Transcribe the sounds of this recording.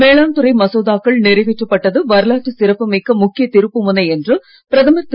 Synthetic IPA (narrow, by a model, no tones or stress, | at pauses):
meːɭaːnt̪ɯɾɐɪmɐsoːðaːkːɐɭnɪɾɐɪʋɪʈːɐpːɐʈːɐðɯʋɐɾɯlaːʈːɯsɪɾɐpːɐmikːɐmʊkːɪjɐt̪ɪɾɯpːɯmʊnɐɛndrɯ | pɪɾɐðɐmɐɾt̪